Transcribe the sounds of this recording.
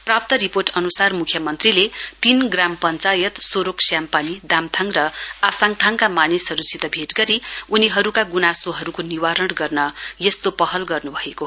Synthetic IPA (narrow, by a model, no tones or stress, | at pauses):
prap̚t̪ʌɾiporʈʌnusarmukʰjʌmʌnt̪rilet̪inɡrampʌnt͡sajʌt̪soɾoksjampanid̪amt̪ʰaŋrʌasaŋt̪ʰaŋkamanisʌɾusit̪ʌbʱeʈɡʌɾiuniɦʌɾukaɡunasoɦʌɾukoniwaɾʌɽ̃ɡʌrnʌjʌst̪opʌɦʌlɡʌrnubʱʌeko